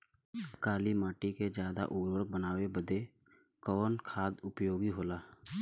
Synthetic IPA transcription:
kaːlimaːʈiked͡ʒjaːd̪a̰ʔoːɾwəɾk̚bənaːwebəd̪ʱe | kɔːnkʰaːd̪ʊpjoːɡiɦoːlaː

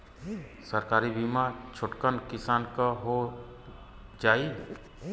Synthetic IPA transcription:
səɾkaːɾibimat͡ʃʰʊʈkənkɪsaːnkaɦo | d͡ʒaːi

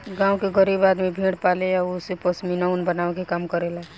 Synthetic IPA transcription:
ɡãũkeɡəɾibad̪mebʱiɽpaleaosepəsminəunbənaʋekekamkəɾela

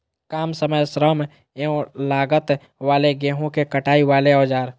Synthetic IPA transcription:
kaːmsəməjsɾəm | eõlaːɡət̪ | ʋaːleɡeːɦõkekəʈaːiʋaːleɔːd͡ʒaːɾ

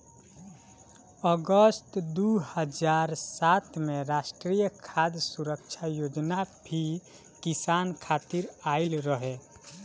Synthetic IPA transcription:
əɡəst̪d̪uhəd͡ʒaɾsat̪meɾasʈɾijəkʰad̪suɾək̚t͡ʃʰajod͡ʒnabʱi | kisankʰat̪iɾailɾəɦe

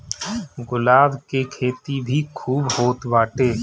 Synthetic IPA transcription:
ɡʊlaːbkekʰeːt̪ibʱikʰuːbhoːt̪baːʈeː

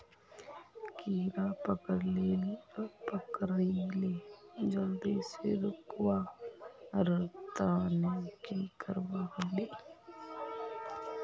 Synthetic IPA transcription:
kiːɾapəkəɽleːlipəkəɾiled͡ʒəld̪iːseɾʊkwa | ɾət̪anekikəɾʋaɦəɖe

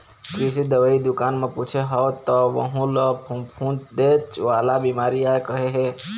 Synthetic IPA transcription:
kɾis̬id̪əʋaid̪ukanmeput͡ʃʰeɦɔt̪ːɔʋə̰ɦũləpʰupʰũt̪d̪et͡ʃʋalabimaɾiaekəɦeɦe

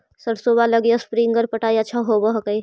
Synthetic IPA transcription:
səɽsoːbaləɡjaspɾiŋɡəɾpəʈaːiətːʃʰaɦobəɦkəi

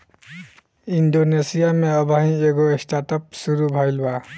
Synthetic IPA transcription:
inɖonesijameʌbʱaĩeɡoesʈaʈʌpsuɾubʱʌjlba

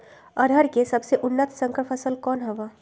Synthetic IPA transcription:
əɾʱəɾkesəbseʔʊnːət̪sə̃ŋkəɾpʰəsəlkɔːnɦəʋa

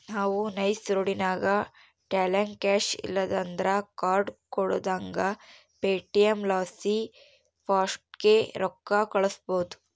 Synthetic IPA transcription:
naːʋunɐjsɾoɽinaːɡɐ | ʈaːlɐnkæːʃḭlːɐd̪ɐnd̪ɐɾɐkaːɾɖkɔɽo̰ːd̪aːŋɡɐ | peːʈijemlaːsi | pʰaːsʈɡeɾɔkːɐkɐɭɐsboːd̪u̥

